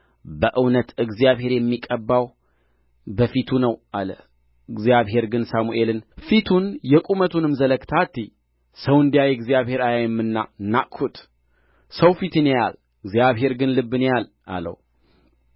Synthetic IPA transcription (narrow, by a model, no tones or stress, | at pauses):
bəʔɨwnət̪ɨɡzijaβɦe̞ɾjɛmːikʼəbːaw | bəfit̪ʰunəwʔaləh | ɨɡzjaβɦe̞ɾɡɨnsamuʔe̞lɨnfit̪ʰunjɛkʼumət̪ʰunɨmzələkt̪ʰat̪ʰːi | səwɨnd̪ijajɛɡzijaβhe̞ɾajajɛmːɨnːanːaʔkʰut̪ | səwfit̪ɨnejal | ɨɡzijaβɦe̞ɾɡɨnlɨbːɨnejal | ʔa̰lə̰w